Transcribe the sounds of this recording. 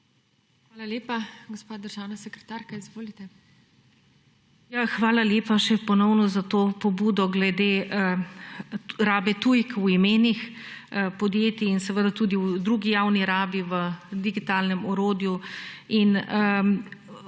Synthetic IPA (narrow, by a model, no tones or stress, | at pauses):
xʋaːlalʲjeːpaɡospaːd̪əɾʒaːwnasɛkɾɛ̥t̪aːɾkaizʋoːlit̪ɛ | jaxʋaːlaljeːpaʃɛpɔnɔwnɔzat̪oːpɔbuːd̪ɔɡlɛd̪eː | ɾaːbɛt̪ujkuimeːnix | pɔd̪jeːt̪iinsɛʋəd̪at̪uːd̪iud̪ɾuːɡijaːwniɾaːbiʋəd̪iɡit̪aːlnɛmɔɾoːd̪juinə